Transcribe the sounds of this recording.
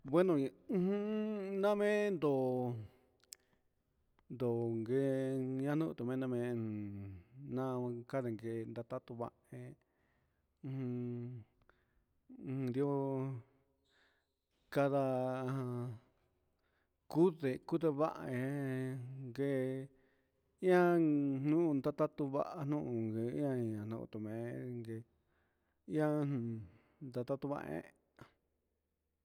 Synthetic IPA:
bwe˦nõ˧˦hũ˦nã˦mẽ˦nd̪o˨ | nd̪o˨ŋɡe˧ɲã˦˧nũ˦ʔt̪u˨mẽ˦˧nã˦˧mẽ˧˨ | nã˦˧ka˦ðe˨ŋɡe˧nd̪a˧t̪a˦t̪u˧βa̰˦˧ʔe˧ | hũ˧ | nd̪i˧o˧ | ka˧ða˧ã˧ | ku˦ðe˨ku˦ðe˧βa˦ʔa̰˧ẽ˧˦ | ŋɡe˧ | ĩ˦ã˦n̥ũ˦˧nd̪a˦˧t̪a˦t̪u˧βa̰˦ʔa˧n̥nũ˦ʔũ˨ŋɡẽ˧˦ã˦i˨ã˨nṵ̃˧ṵ˧t̪u˨mẽ˨˦ŋɡe˧ | ĩ˦ã˦nũ˨ | nd̪a˧t̪a˦t̪u˦˧βa̰˧ʔḛ̃˦

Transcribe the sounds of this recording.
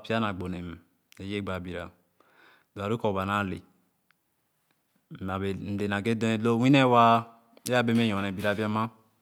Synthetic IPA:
pi˦a˦na˨ɡ͡bo˨ne˨m˨ | e˨˦je˦ɡ͡ba˨bi˨ɾa̰˨ | do˨a˨ɾu˦ko˨ba˨na˦˨lḛ˨ | n̩˨de˨na˨ɡe˦do˦e˨lo˦wi˦ne˦˨wa˦ | a˦be˦m˦e˦jɔ̃˨ne˨bi˨ɾa˨bi˦a˦ma˦

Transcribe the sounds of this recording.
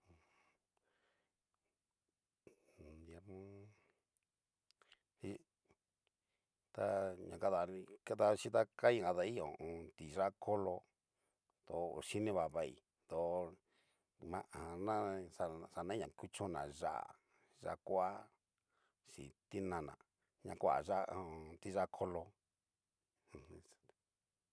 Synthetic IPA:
d̪e˧ɾmõ˦ | i˧ | t̪a˦ɲã˨ka˦ða˨˧nĩ˧ka˦t̪a˧t͡ʃi˦t̪a˦ka˦ĩ˦˨a˧ða˧i˦jõ˨õ˧t̪i˨ʐa˦kʰo˦lo˧ | d̪o˨˧˨ʃi˦nĩ˦βa˨βa˧˨ḭ˨ | d̪o˨˧ | mã˧ʔa˨nã˦sa˧sa˧nã˦ɲã˨ku˦t͡ʃõ˦nã̰˨ʒa̰˦ʔa̰˨ | ʒa̰˧kʷa˦ | ʂḭ˨t̪i˦nã˧nã̰˨ | ɲã̰˧kʷa̰˨ʒa˦˧t̪i˧ʒa˦˧kʰo˦lo˧˨˧

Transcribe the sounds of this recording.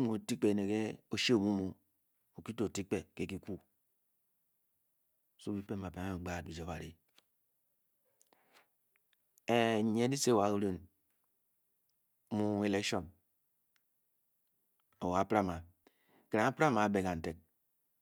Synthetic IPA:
mo˨ti˦k͡pe˨ne˨ke˦o˦ʃe˦˨mu˦mu˨ | o˨ki˦to˨ti˦k͡pe˨ke˦ki˦ku˦˨ | so˦bi˦pe˦˨a˨pe˨˦ŋ˦˨ɡ͡ba˦˨t̚bi˨d͡ʒe˨˦ba˨ɾḭ˨ | e˦˨˦ɲe˦di˦se˦˨wa˨˦ko˦ɾe˦n˦ | mu˦e˦le˦ʃo˦m | o˨wa˨˦pɾa˦ma˨ | ke˨ɾa˨a˦pɾa˦ma˨˦be˨ka˨n̩˨te˨t̚

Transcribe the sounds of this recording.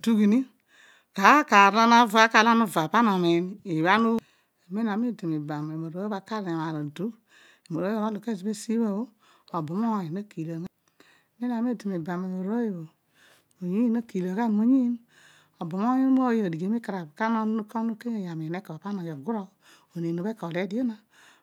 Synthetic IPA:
du˦ɡi˨ni˦ | ka˨˦ka˨ɾa˦na˦va˦ka˨la˦nu˦˨va˨pa˦na˨mi˨ni˨βa˦nu˦ | e˨me˦na˨˦me˦˨ti˨mi˨ba˨me˨mo˨ɾo˨˦e˦ba˨ka˦ɾa˨ma˨ɾa˨du˦ | e˨mo˨ɾo˦˨˦a˦lu˨ke˦˨zi˨be˦si˦we˦˨o˦ | o˨bo˨mo˦˨ji˨na˦ki˨la˨ŋ˦˨ | me˦na˨m˦e˦˨di˨mi˨ba˨me˨mo˨ɾo˦e˦˨bo˨ | mo˨ɲi˦na˦ki˨la˨ɡa˦˨mo˨ɲi˦n | o˨bo˨mo˦ji˦m˦o˦jo˨di˨ɡe˨˦mi˦ka˨ɾa˨ka˦no˦u˦ko˦u˦ke˦e˨ja˨mi˨ne˦ko˨pa˦no˨jo˨ɡu˦ɾo˦ | o˨ne˨nu˨be˦ko˨le˦di˦e˦na˦

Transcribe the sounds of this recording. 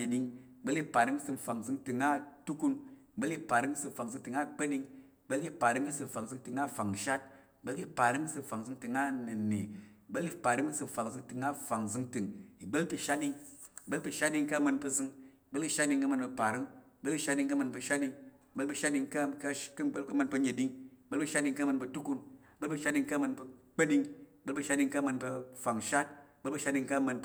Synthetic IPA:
i˧ɗi˧ŋi˨ɡ͡bə˦li˧pa˨ɾɨ˦ŋi˦sɨ˧˨fa˨ŋzɨ˧ŋtɨ˨˧ŋa˦tu˦ku˧ni˨ɡ͡bə˦li˧pa˨ɾɨ˦ŋi˦sɨ˧m̩˨fa˨ŋzɨ˧ŋtɨ˨ŋa˦k͡pe˦ɗi˧ŋi˨ɡ͡bə˦lki˧pa˨ɾɨ˦ŋi˦sɨ˧m̩˨fa˨ŋzɨ˧ŋtɨ˨ŋa˦fa˨ŋ˨ʃa˦t̚i˨ɡ͡bə˦lki˧pa˨ɾɨ˦ŋi˦sɨ˧m˨fa˨ŋzɨ˧ŋtɨ˨ŋa˦nɨ˨ne˨i˨ɡ͡bə˦li˧pa˨ɾɨ˦ŋi˦sɨ˧m̩˨fa˨ŋzɨ˧ŋtɨ˨ŋa˦fa˨ŋzɨ˧ŋtɨ˨ŋi˨ɡ͡bə˦lpi˧ʃa˦t̚ɗi˧ŋ˨ɡ͡bə˦lpʲi˧˨ʃa˦tdi˧ŋka˦˨mɐ˧npə˧zɨ˧ŋi˨ɡ͡bə˦lki˧ʃa˦t̚di˧ŋka˦mə˧nbə˧pa˨ɾɨ˦ŋi˨ɡ͡bə˦lki˧ʃa˦di˧ŋka˦mə˧npə˧ʃa˦di˧ŋ | i˨ɡ͡bə˦lp̬ə˧ʃa˦di˧ŋka˦ka˦klkɐ˧mə˧npə˧ɲe˨di˧ŋi˨˦ɡ͡bə˦lpə˧ʃa˦t̚di˧ŋka˦mə˧npə˧tu˦ku˧ni˨ɡ͡bə˦lpə˧ʃa˦di˧ŋka˦mə˧npə˧k͡pə˦di˧ŋi˨ɡ͡bə˦lpə˧ʃa˦di˧ŋka˦mə˧npɐ˧fa˨ŋʃa˦t̚i˨ɡ͡bə˦lpə˧ʃa˦di˧ŋka˦˧mə˧n

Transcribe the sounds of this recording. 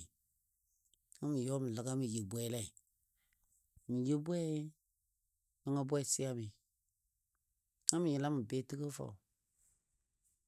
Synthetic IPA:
ŋa˦mi˨jɔ˦mi˨la˨ɡa˦mi˨je˨bʷɛ˦lɛ˦i˨ | mi˨je˦bwɛ˦ | a˦ŋa˦bɛ˦˨si˦a˦mi˨ | ŋa˦mi˨ji˨˦la˦mɨ˨be˦tɨ˦kə˦fa̰˨u˨

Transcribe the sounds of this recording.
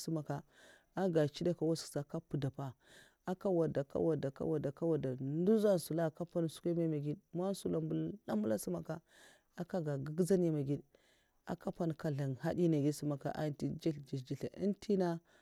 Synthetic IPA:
su˦ma˨ka˨ | a˦ɡa˨t͡ʃi˦da˦ka˨wa˦sksa˨ka˦pu˨da˨pa˨ | a˨ka˦wa˨da˨ka̰˦wa˨da˨ka̰˦wa˨da˨ka˦wa˨da˨ndu˦za˦n˨su˨la˦˨ka˦pa˦n˨su̥˦ka˦ma˦ma˨ɡi˦dma˦n˦su˨la˨mbu˨lla˦mu˦la˦si˦ma˨ka˦ | a˨ka˦ɡa˨ɡə˦ɡza˦n˦a˨ma˨ɡi˦d | a̰˨ka˦pa˦n˨ka˨ɮa˨nha˦di˦na˨ɡi˦si˦ma˨ka̰˨ʔa̰˦ti˦d͡ʒi˦ɬd͡ʒi˨d͡ʒi˨ɬa̰˨ḭ˦ntʰi˦na˦

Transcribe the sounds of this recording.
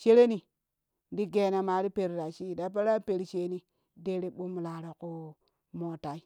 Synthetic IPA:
ʃe˦ɾe˦ni˨ | ndi˦ɡe˨na˨ma˨ɾi˦pe˨ɾɾa˨ʃi˦˨da˨p̬a˦ɾa˦pe˨ɾʃe˨ni˨ | de˦ɾe˨ɓu˦m˨la˨ɾa˨ko˨ | mo˨ta˨i˦

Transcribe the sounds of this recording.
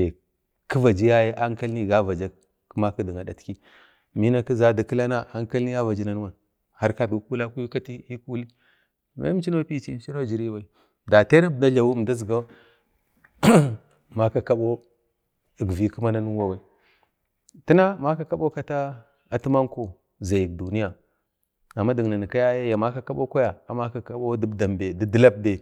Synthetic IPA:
e˨ | kə˦va˨d͡ʒi˦ja˦je˦ʔa˦ŋka˦lni˦˨ɡa˦va˨d͡ʒa˦ | kma˦ki˦di˨ŋa˨da˨tki˦ | mi˦na˦˨ki˦za˦da˨kə˦la˦na˦a˦ŋka˦lni˦ja˦va˨d͡ʒi˦na˨n˦wa˨n | ha˦ɾka˦bi˨˦ku˦la˦ku˦ju˦ka˦ti˦i˦ku˦li˦ | ma̰˦t͡ʃi˦no˦pi˦t͡ʃi˦m˦t͡ʃi˦no˦˨d͡ʒi˨ɾi˦wa˨i˨ | da˨te˦na˦bnda˦ɮa˨wu˦˨da˦zɡa˦ | ma˦ka˨ka˦ɓo˦ | i˨ɡvi˨˦ku˦ma˦na˦nu˦wa˨wa˨ | ti˦na˦ma˦ka˨ka˦ɓo˦ka˦ta˦ | a˨ti˦ma˦ŋko˨ | za˨ji˨k̚du˨ni˦ja˨ | a˨mːa˦di˨ɡna˨ni˨ka˦ja˦ja˦ja˨ma˦ka˦ka˦ɓo˦ka˦ja˨a˨ma˦ka˨ka˦ɓo˦di˦bda˨mbe˨di˦di˦la˦b̚de˨

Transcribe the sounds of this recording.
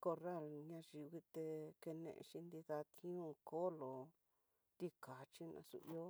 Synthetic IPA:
ko˧ra˦˨lɲã˧ʒi˨˧wi˧t̪e˧ke˧nḛ̃˧ʔḛ˧ʃi˧nd̪i˧ða˧t̪ʰĩ˦ũ˦˧ko˦lo˨ | t̪i˧ka˨t͡ʃi˦nã̰˧sṵ˧i˧o˦

